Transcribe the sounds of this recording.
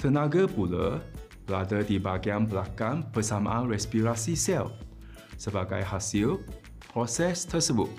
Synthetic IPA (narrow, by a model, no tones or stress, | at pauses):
t̪ənãɡapulə̰ | bəladədibaɡianbəlakanbəsamã̰ʔanrɛspiɾasisɛl | səbaɡa̰jhasil | pɾɔsɛst̪ʰəsəbʊ̰t̪̚